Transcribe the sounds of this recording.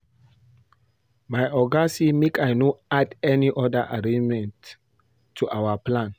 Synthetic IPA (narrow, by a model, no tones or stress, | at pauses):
majʔɔɡasimekajnoadɛniʔɔdəʔaɹẽd͡ʒmɛ̃nt | tʰːuʔawəplãn